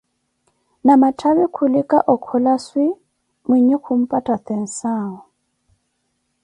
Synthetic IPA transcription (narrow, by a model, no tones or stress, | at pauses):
namatʰaβɛkʰulɪkʼa̰ʔɔkʰɔlaswɪ | miɲɛkʰum̩pʼatʼat̪ʰɛn̩saːɔ